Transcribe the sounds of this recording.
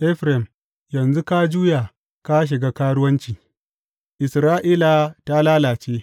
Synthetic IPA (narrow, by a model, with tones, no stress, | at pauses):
ʔɛ˦ɸɾɛ˨m | jɐ˨nzu˦ka˦d͡ʒuː˦jaː˨ | ka˦ʃ̬ɪ˨ɡa˦kaː˦ɽʊ˦wɐ˦nt͡ʃiː˨ | ʔɪ˨sɾaː˦ʔiː˦la˨ta˦laː˦laː˨t͡ʃeː˦